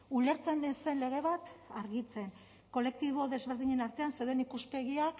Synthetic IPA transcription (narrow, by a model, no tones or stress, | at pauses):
ule̞ɾt͡se̞nese̞nle̞ɣ̞e̞βat̪aɾɣit͡se̞n | ko̞le̞k̚t̪iβ̞o̞ðe̞zβe̞ɾð̞iɲe̞naɾt̪e̞ansewðenikuspe̞ɣiak